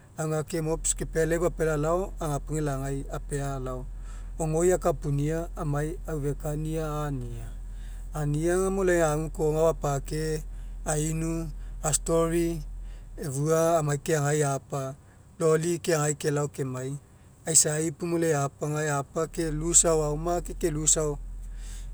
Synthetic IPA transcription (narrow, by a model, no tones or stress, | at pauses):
awŋakemopskepeleβapelalaoaŋapuŋelaŋajapealao | oŋo̞jakapuniaːmaj | awve̞kaniaːniaː | niaŋamoleŋaŋukoŋawapakeainuastoɾi | evuaːmajkeaŋajapa | lo̞likeaŋajke̞laoke̞maj | ajsaipumoleapaŋajapake̞lusawawmakekelusaw